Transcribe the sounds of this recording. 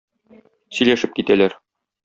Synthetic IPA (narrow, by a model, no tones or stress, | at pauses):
sɵ̆jlæʃɘp̚kit̪ælæɾ